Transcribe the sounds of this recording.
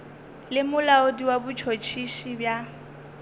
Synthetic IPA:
lɪmʊlaodiwabʊt͡ʃʰot͡ʃʰiʃibja

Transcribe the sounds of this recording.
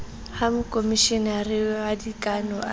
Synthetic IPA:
hamʊkʼomiʃɪnɛarɪadikʼanɔa

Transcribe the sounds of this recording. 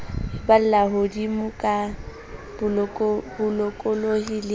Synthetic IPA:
bal̩laɦodimʊkʼa | bʊbʊlɔkʼɔlohilɪ

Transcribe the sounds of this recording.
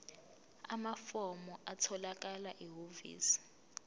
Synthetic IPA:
amafɔmɔʔatʰɔlak̬alaʔiɦovḭːsi̥

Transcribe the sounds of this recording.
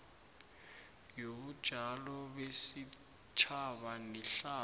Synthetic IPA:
jobud̥ʒ̥ʱalɔbesi | t͡ʃʰaβaniɬaː

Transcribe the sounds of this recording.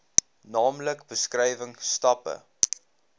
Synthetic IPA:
nɑːmləkbəskrɛjvəŋstɐpə̰

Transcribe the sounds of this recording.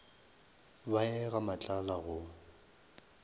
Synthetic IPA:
baɛɣamat͡ɬʼalaɣʊ

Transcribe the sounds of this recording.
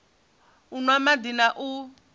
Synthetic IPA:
unwamadinaʔu

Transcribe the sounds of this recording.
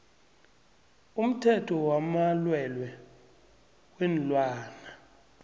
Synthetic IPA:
um̩tʰɛtʰɔwamalwɛlwɛ | wɛnlwaːna

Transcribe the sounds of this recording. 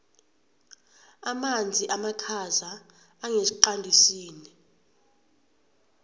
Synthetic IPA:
amand͡zʱiʔamakʰazaː | ŋesiǃandʱisiːni

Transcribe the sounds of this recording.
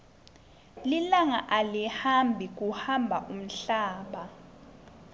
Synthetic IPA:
lilaŋaʔalihambʱik̬ʼuhambʱaʔum̩ɬaːɓa

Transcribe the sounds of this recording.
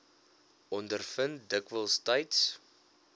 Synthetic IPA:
ʔɔndərfəntdəkvəlˠstɐjts

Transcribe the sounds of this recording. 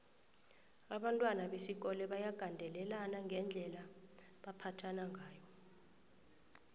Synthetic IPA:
aɓantʼwanaɓesik̬ɔlɛɓajaɡ̥ʱandʱɛlɛlanaŋɡʱɛnd͡ɮʱɛlaɓapʰatʰanaŋʱaːjɔ

